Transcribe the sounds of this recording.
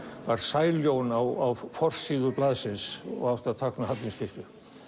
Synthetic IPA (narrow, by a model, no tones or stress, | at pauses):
vaɾ̥saːjljownawawfɔr̥siːðʏplaːðsɪnsɔ̰ɣaft̪at̪ʰaknaɦat̪linscʰest̪ʏ̥